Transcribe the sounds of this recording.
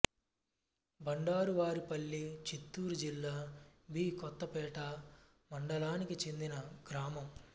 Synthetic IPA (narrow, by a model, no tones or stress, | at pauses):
bɐɳɖaːɾuʋaːɾipɐɭːit͡ʃit̪ːuːɾud͡ʒilːaːbiːkɔt̪ːɐpɛːʈɐ | mɐɳɖɐlaːnikit͡ʃe̞nd̪inɐɡɾaːmɐm